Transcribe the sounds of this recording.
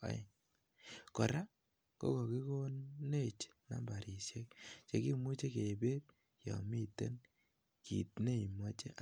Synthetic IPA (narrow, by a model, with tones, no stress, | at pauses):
a̰˨˦˨ | kɔ˨ɾa˦ | ko̰˦ko˨ki˦ko˦nːe˦t͡ʃ | ma̰˦mba˨ɾʔi˨sje˦k̚t͡ʃe˨ki˦mu˦t͡ʃe˦ke˨be˦t̚ | jɔ̰˨mi˦te˦n | kḭ˨t̚ne˦i˨mɔ˦t͡ʃe˦ʔ